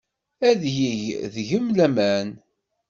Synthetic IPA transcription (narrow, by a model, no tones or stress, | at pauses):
æðjiʝðʝəmlæmæn